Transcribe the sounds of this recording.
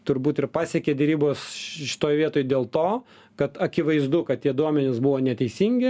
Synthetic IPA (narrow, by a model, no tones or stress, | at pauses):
t̪ʊɾbuːt̪ɪrpɑːsʲɛkʲeːdʲɛɾʲiːboːsʃʲɪ̥t̪oːjʋʲiɛt̪oːjd̪ʲeːlˠt̪oː | kɐt̪ɐkʲɪʋɐɪzd̪ʊkɐt̪̚t̪ʲiɛd̪uɔmʲɛnʲɪsbʊʋoːnʲɛt̪ʲɛɪsʲiːŋʲɡʲɪ